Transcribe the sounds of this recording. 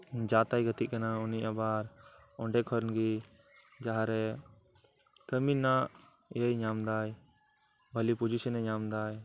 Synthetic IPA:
d͡ʒat̪ajɡət̪iʔkanauniabaɾ | ɔɳɖɛkʰɔɾnɡi | d͡ʒaɦaɾɛ | kəminaʔ | jəjɲamd̪aj | bʱəlipud͡ʒisənɛɲamd̪aj

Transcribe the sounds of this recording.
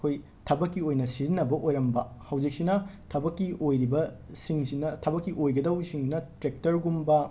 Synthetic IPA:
kʰoj | tʰɐbɐkːiojnɐsizinːɐbɐʔojɾɐmbɐ | hɐwd͡ʒik̚sinɐtʰɐbɐkːiojɾibɐ | siŋsinɐtʰɐbɐkːiʔojɡɐdɐwsiŋnɐtɾek̚tɐɾɡumbɐ

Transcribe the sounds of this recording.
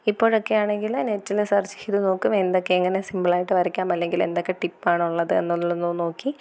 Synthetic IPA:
ipːo̞ːɻo̞kːe̞jaːɳe̞ŋɡilanetːilesɐrt͡ɕi̥kːiðuno̞ːkːume̞nd̪o̞kːe̞ːŋːɐnesimbɐɭaːjiʈːɨʋɐɾikʲːaːmɐlːe̞ŋɡile̞̰nd̪o̞kːe̞ʈipːaːɳɨuɭːɐðɨḛnːulːuɭɐnuno̞ːkːi

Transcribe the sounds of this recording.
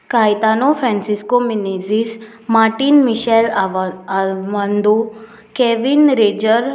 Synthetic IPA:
kajt̪anofɾɛ̃nsiskominezis | maɾʈinmiɕɛlaʋand̪o | keʋinɾed͡ʑəɾ

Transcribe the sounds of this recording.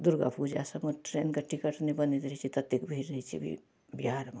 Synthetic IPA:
d̪ʊɾɡa̰pud͡ʒa̰sɐmoʈɾeːnkɐʈikəʈʰnebɐnit̪ɾɦit͡ʃʰit̪ɐt̪ːjekbʱiɾnit͡ʃʰḭbʱḭ | biaɾma

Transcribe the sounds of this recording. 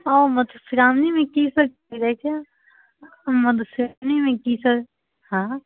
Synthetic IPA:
oːmɐd̪fɪɾaːmnimẽkisɐɾ | iɾɛt͡ʃʰa | mɐd̪fɪɾamnimẽkisəɾ | hãː

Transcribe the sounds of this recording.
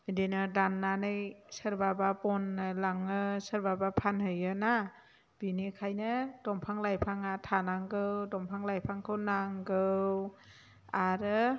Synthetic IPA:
ɯdenɯdanːanɯjsəɾbabapɔnːɯlaŋɯsəɾbabapʰanhɯjɯna | b̥inekʰajnɯd̥ɔmpʰaŋlajpʰaŋatʰanaŋɡɯwdɔmpʰaŋlajpʰaŋkʰɯwnaŋɡɯw | aɾɯ

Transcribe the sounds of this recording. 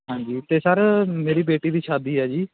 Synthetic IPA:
ɦãːɲd͡ʒiːt̪eːsəɾmeːɾiːbeːʈiːd̪iːʃaːd̪iːɦɛːd͡ʒiː

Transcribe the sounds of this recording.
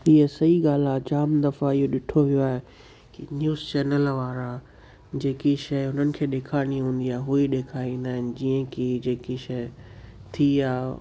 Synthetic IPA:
ɪɦəsɐiɠaːl̤aːd͡ʑaːmd̪ɐfaɪɦoɗɪʈʰoʋijoaːɦe | kinjuːzt͡ɕɛːnəlʋaːɾã | d͡ʑeːkiʃɐʊnənɪ̆kʰeːɗeːkʰaːɽ̃iɦũːn̆d̪iaːɦɦuiɗeːkʰaːĩːnd̪aːɦɪnɪ̆d͡ʑiːə̃kid͡ʑeːkiʃɐ | t̪ʰiaː

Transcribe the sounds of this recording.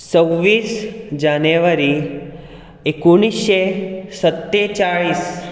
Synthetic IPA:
t͡səʋiːsd͡ʒaneʋəɾi | ekuɳ̃isesət̪ːet͡ʃaɭiːs

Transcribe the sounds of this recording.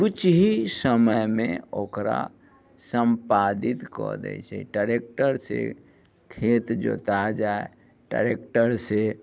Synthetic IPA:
kut͡ʃɦisəməjmeokɾa̰ | səmpad̪it̪kɔ̰d̪ɛ̰jt͡ʃʰɛ̰ʈəɾek̚ʈəɾsḛ | kʰet̪d͡ʒo̰t̪ad͡ʒae | ʈəɾekʈəɾse

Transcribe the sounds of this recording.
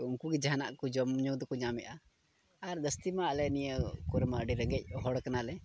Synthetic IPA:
uŋkuɡɛd͡ʒana̰ʔkɔd͡ʒɔmɲɔŋd̪ɔkɔɲamɛʔaː | ɾd̪əst̪imaəlɛnijəkɔɾmaɖiɾəŋɡɛc̚ˀɦɔɽkanalɛ

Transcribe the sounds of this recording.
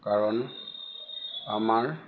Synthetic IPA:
kaɹɔn | amaɹ

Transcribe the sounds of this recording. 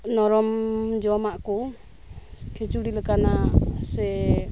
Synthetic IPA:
nɔɾɔmd͡ʒɔmaʔkɔ | kʰit͡ʃuɽiləkanasɛ

